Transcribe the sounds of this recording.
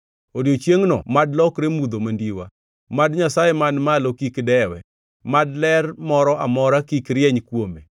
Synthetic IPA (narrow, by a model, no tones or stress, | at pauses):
odiot͡ʃjeŋnɔ̰madlɔkɾemud̪omandiwa̰ | madɲasajɛmanmalokikdɛwɛ | madlɛrmɔɾɔʔamɔɾakikɾjɛɲkwome